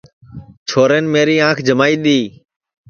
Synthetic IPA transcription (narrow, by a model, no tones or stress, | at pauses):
t͡ʃʰoːɾeːnmeːɾiːãːkʰd͡ʒʱəmaːiːɗ̪iː